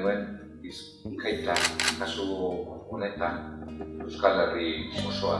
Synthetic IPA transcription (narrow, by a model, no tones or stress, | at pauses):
nuen | is | kajt̪akasuone̞t̪anewskalerimosoa